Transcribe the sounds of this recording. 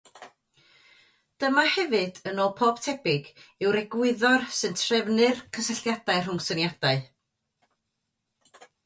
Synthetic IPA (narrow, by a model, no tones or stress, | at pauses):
d̥əmahɛvɨd̥ənoːlˠpʰɔːb̥̚tʰɛbɪɡɪwɾɛɡwɪðɔrsɨntʰrɛvnɨrkʰəsəɬjad̥aɨr̥ʊŋsənjad̥aɨ